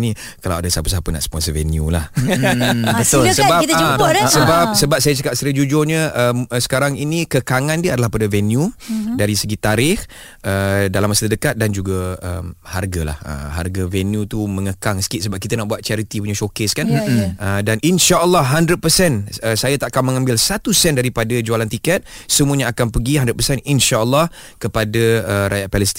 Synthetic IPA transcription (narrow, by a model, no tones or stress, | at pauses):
ni | kalawadasapəs̬apəna̰ʔspɔnsəvɛnjulah | bət̪olsəbasəbap̚səbap̚sajət͡ʃakap̚səɾəd͡ʒud͡ʒʊɲəʔəməsə̥kaɾaŋinikəkaŋandiəadalahpadəvɛnjudaɾisəɡit̪aɾɪh | ədalamːasədəkat̪̚dand͡ʒuɡaə̰mha̰rɡala̰hə̰ɦa̰rɡavɛnjut̪umə̃ŋəkaŋsə̥kɪʔ̪səbap̚kit̪ənaʔbuat̪̚t͡ʃaɾit̪ipuɲaʃokɪskanədanʔinʃaʔəlːɔhɦandɾət̪̚pəsɛnəsajat̪aʔkanməŋãmbɪlsat̪usɛndaɾipadad͡ʒualant̪ikɛt̪̚səmuəɲaːkanpəɡiɦandɾət̪̚pəsɛninʃaəlːɔh | kəpadaəɾajaʔpɛləst̪i